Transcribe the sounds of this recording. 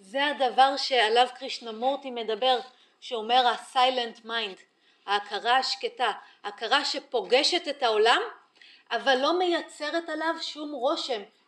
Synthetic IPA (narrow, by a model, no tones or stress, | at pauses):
zeadavaʁʃe̞alavkʁiʃnamo̞ʁtime̞dabe̞ʁ | ʃeo̞me̞ʁasajlentmajnd | haːkʰaʁaaʃketaaːkaʁaʃe̞po̞ɡe̞ʃe̞tethao̞lam | ʔavalːo̞me̞jat͡seʁetalavʃumʁo̞ʃe̞m